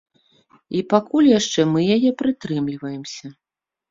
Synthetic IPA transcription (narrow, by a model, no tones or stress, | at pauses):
ipakulʲjaʂt͡ʂɛmɨjajɛpɾɨt̪ɾɨmlʲivɐjɛmsʲɐ